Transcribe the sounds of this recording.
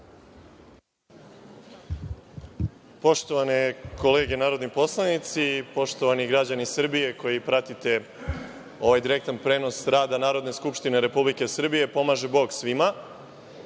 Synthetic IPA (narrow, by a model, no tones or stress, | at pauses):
po̞ʃt̪o̞ʋaneko̞le̞ːɡe̞naːɾod̪nipo̞slˠanit̪sipo̞ʃt̪o̞ʋaniɡɾad͡ʑanisr̩bije̞ko̞jipɾat̪it̪e̞ | o̞ʋajd̪iɾe̞k̚t̪anpɾe̞ːno̞sɾaːd̪anaːɾo̞d̪neskupʃt̪ine̞ɾe̞publike̞sr̩bije̞po̞maːʒe̞bo̞ːɡsʋima